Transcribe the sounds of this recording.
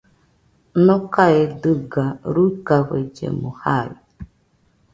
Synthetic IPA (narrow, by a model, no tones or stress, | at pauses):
nokaedɨɡaɾukaβed͡ʒḛmohaɾi